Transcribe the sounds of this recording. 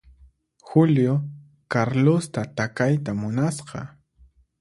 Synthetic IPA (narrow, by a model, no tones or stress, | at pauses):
xʊljo | kaɾlost̪at̪akajt̪amʊnasqɑ̰